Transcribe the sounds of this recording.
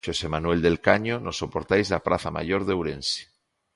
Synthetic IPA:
ʃosemanwe̞ld̪e̞lkaɲonosːo̞poɾt̪ajzlapɾʔaθama̰ʝo̞ɾðewɾe̞nsi̥

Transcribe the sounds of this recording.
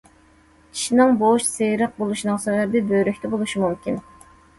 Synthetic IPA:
i̥ʃinɨŋboʃsejɾəq̚bolˠuʃnɨŋsɛbɛbɪbøjɾykʲt̪ʰɛbolˠuʃimumkʲin

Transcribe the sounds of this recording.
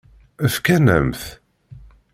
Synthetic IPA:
əfkænæ̰mθ

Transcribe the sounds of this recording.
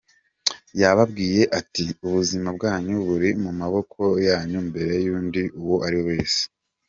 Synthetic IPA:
jaβab̚ɡiːje̞ʔatiuβuzimab̚ɡaːɲuβuɾimumaβo̞kʰo̞jaːɲumbe̞ɾe̞juːndiʔuwoʔaɾihowe̞ːse̥

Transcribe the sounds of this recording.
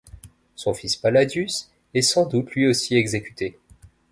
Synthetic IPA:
sɔ̃fispalad̪ys | ɛsɑ̃d̪ut̪lɥiosiɛɡzekʲy̥t̪ʰe

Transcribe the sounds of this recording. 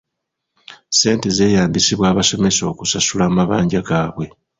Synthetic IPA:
se̞ːnte̞ze̞ːjaːmbisiβwaːβaso̞me̞so̞ːkusasulamaβaːɲɟaɡaːβwe̞

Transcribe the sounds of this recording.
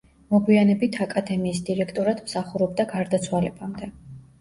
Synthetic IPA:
mɔɡwianɛbit̪ʰakʼad̪ɛmiːsd̪iɾɛkʰt̪ʼɔɾad̪̥msaχuɾɔb̚d̪aɡaɾd̪at̪sʰwalɛbamd̪ɛ

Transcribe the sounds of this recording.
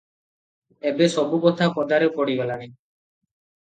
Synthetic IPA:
ebesɔbukɔt̪ʰakɔd̪aɾewpɔɽibelani

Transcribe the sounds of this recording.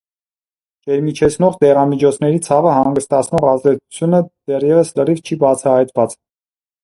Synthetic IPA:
t͡ʃɛɾmit͡ʃʰɛt͡sʰnɔʁd̪ɛʁɑmit͡ʃʰɔt͡sʰnɛɾit͡sʰɑvəhɑŋɡəst̪ɑt͡sʰnɔʁɑzd̪ɛt͡sʰu̥t͡sʰjunəd̪̥ɛrjɛvəslərivt͡ʃʰibɑt͡sʰɑhɑjt̪vɑt͡s

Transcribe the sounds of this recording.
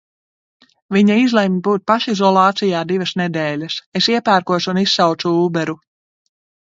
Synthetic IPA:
viɲaizlˠemʲibuːt̪̚paʃizɔlˠɑːt̪sijaːd̪ivɐsnɛd̪ɛːlʲɐsesiɛpæːɾkuɔsunisːawt̪suuːbɛɾu

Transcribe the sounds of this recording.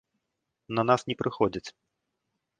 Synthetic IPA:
nɐnasnʲɛpɾʔɨxɔd͡zʲit͡sʲ

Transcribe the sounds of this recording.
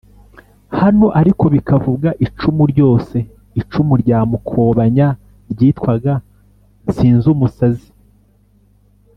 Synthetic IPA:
hanoʔaɾiko̞βikʰavubɡaʔit͡ʃumuɾɟo̞ːse̞ | it͡ʃumuɾɟaːmukʰo̞βaɲa | ɾɟiːtkwaɡa | ziːnzumusazi̥

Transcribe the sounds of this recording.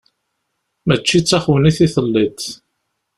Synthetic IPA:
mæt͡ʃːit͡sːæχwəniθiθəlːit̪

